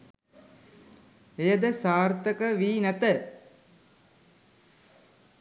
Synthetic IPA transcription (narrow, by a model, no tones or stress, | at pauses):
ejəd̪əsaːrt̪əkəʋiːnæt̪ə